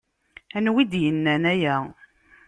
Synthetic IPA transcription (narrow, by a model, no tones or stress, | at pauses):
ænwid̪jənːænæjæ